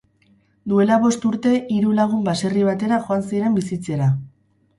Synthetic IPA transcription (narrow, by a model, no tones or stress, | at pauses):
d̪ue̞laβ̞o̞st̪uɾt̪e̞ʔiɾulaɣ̞umbase̞riβ̞at̪e̞ɾaʝo̞ansiɾe̞mbisit͡se̞ɾa